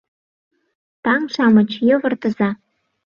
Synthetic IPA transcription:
t̪ɑŋʃɑmɤ̆t͡ɕjɤ̆vɤ̆rt̪ɤ̆zɑ

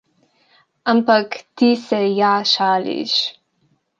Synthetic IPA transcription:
ɐmpɐkt̪isejaːʃaːlḭʃ

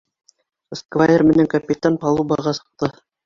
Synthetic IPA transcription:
skvaermɘ̆næŋkɐpʲit̪anpɑlˠubɑʁɑsɤ̥̆q̚t̪ɤ

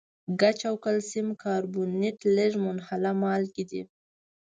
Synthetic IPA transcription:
ɡat͡ʃawkalsimkɑɾbuneʈleʐmʊnhalamɑlkid̪ḭ

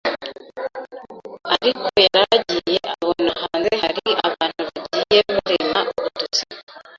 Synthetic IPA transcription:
aɾikʰojaɾaɟijeʔaβonahaːnze̞haɾiaβahːn̥huβaɟije̞muɾemaβutut͡si

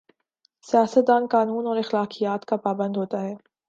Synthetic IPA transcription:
sijaːsət̪̚d̪aːnkaːnuːnɔːɾɪxlaːqijaːt̪kapaːbə̃nd̪ɦoːt̪aɦɛː

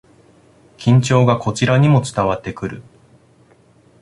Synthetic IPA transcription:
kʲĩɲ̟t͡ɕo̞ːɡako̞t͡ɕiɾaɲ̟imo̞t͡sɨ̥t̪aβat̪ːe̞kɯ̟ɾɯ̟

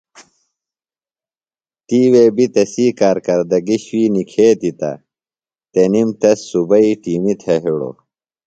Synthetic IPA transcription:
t̪iːweːbit̪ɐsiːkaːɾkɐɾd̪ɐɡiɕwiːnikʰeːt̪it̪ɐ̰ | t̪enimt̪ɐsːubɐiʈiːmit̪ʰɐɦiɽo̰

